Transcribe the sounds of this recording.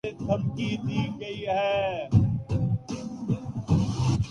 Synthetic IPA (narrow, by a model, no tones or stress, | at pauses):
et̪ʰɐmkid̪iɡɐiɦɛː